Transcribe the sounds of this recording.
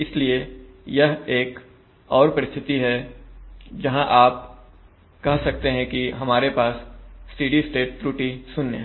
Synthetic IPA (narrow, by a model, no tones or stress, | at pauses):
ɪslie | jɐɦeːk | ɔːɾpɐɾɪst̪ʰɪt̪iɦɛ | d͡ʒɐɦãʔaːp̚ | kɐɦsɐkt̪eɦɛ̃kiɦɐmaːɾepaːsːʈiːɖisʈeːʈ̚t̪ɾuːʈisʊnːeɦɛ̃